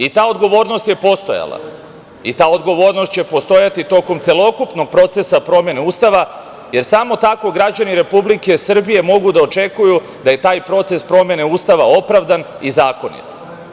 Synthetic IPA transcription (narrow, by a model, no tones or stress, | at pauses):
it̪aːo̞d̪ɡo̞ʋo̞ːɾno̞st̪je̞po̞st̪o̰ja̰lˠa̰ | it̪aːo̞d̪ɡo̞ʋo̞ːɾnost̪t͡ɕe̞po̞st̪o̞jat̪it̪o̞ko̞mt̪se̞lo̞kupno̞ɡ̚pɾo̞t̪se̞sapɾo̞mje̞neuːst̪aʋa | je̞ɾsamo̞t̪ako̞ɡɾad͡ʑaniɾe̞publike̞sr̩bije̞mo̞ɡud̪ao̞t͡ʃe̞kuju | d̪aje̞t̪aːjpɾo̞t̪se̞spɾo̞mje̞ne̞uːst̪aʋao̞pɾaʋd̪an | izaːko̞nḭt̪